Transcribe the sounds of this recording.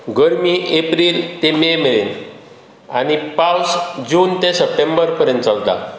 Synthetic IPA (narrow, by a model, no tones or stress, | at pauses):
ɡəɾmiʔepɾiːlt̪ememeɭen | añipawsd͡ʑuːnt̪esəp̚ʈembəɾpəɾjə̃nt̪t͡salt̪a̰